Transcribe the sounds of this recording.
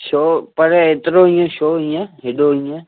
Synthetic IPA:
ʃoːpəɾeːt̪ɾoːĩːẽʃoːĩːẽɦɪɗoːĩːẽ

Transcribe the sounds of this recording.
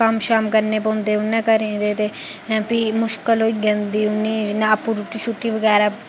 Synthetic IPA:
amʃaːmkəɾneːpõːnd̪eːʊnɛ̃kəɾẽd̪eːt̪e | pimʊʃkəloːiɡənd̪iːʊniːnaːpuɾʈiʃʰuʈːiʋəɡɛːɾa

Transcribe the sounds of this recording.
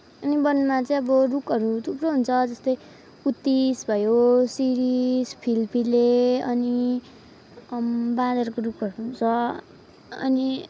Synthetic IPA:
ʌnibʌnmat͡saĩʌbʌrukʌɾut̪ʰuproɦunt͡sʰʌd͡zʌst̪ʌj | ut̪ːisbʱʌjosiɾispʰilpʰileʌni | bad̪ʌɾkorupʌɾuɦunt͡sʰʌ | ʌ̰ni

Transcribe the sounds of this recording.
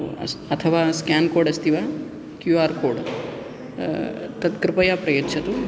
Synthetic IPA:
ɐt̪ʰɐʋaːskaːnkoːɖɐst̪iʋa | kjuaːɾkoːɖ | t̪ɐt̪kɾɪpɐjaːpɾɐjotːt͡ʃʰɐt̪u

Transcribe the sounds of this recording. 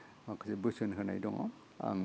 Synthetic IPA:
makʰɯsebɯsɯnɦɯna̰jdɔŋɔ̰ | a̰ŋ

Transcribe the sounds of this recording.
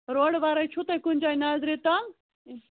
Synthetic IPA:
ɾoːɽʋaːɾait͡ʃʰut̪ekʊnd͡ʒaːinaːzɾit̪a

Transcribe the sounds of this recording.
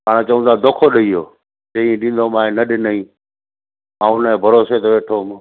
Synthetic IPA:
paːɽ̃et͡ɕɐʋũnd̪ad̪oːkʰoɗɐiɦo̰ː | d͡ʑɐ̃ĩɗĩːn̆d̪omãːɦẽnɐɗɪnɐĩː | mãːʊnə̃bʱɐɾoːset̪ɐʋeːʈʰoːm

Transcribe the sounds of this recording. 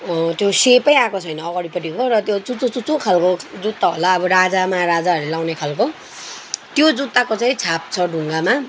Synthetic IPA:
t̪josepʌjakot͡sʰʌjnʌːɡʌɽipʌʈikorʌt̪jot͡sut͡sut͡sut͡sukʰalkod͡zut̪ːaɦo̰laʌbʌɾad͡zamaɾad͡zaʌrlelaw̃nekʰalko | t̪jod͡zut̪ːakot͡saĩt͡sʰap̚t͡sʰʌɖʱuŋɡama

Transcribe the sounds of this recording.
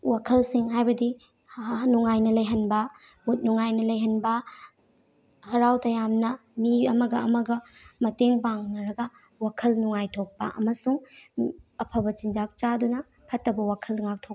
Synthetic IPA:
wakʰɐlsiŋɦajbɐdi | nuŋajnɐlɐjɦɐnbɐ | mut̚nuŋajnɐlɐjɦɐnbɐ | hɐɾawtɐjamnɐmiɐmɐɡɐɐmɐɡɐmɐteŋpaŋnɐɾɐɡɐ | wakʰɐlnuŋajtʰok̚pɐ̰ʔɐ̰mɐsuŋ | ɐpʰɐbɐt͡ʃind͡ʒak̚t͡ʃadunɐ | pʰɐtːɐbɐwakʰɐlŋak̚tʰok̚

